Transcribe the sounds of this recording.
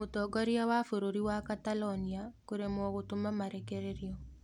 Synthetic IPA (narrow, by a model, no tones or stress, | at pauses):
otɔɡɔɾiawafoɾoɾiwakatalɔniakoɾemɔɣotomamaɾekeɾeɾjɔ